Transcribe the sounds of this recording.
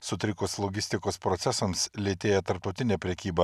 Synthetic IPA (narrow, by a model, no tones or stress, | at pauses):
sʊt̪ʲɾʲɪkʊslˠɔɡʲɪsʲt̪ʲɪkoːspɾɔt̪sʲɛsɐmslʲeːt̪ʲeːjɛt̪ɐɾp̚t̪ɒʊt̪ʲɪnʲɛpʲɾʲɛkʲiːbɐ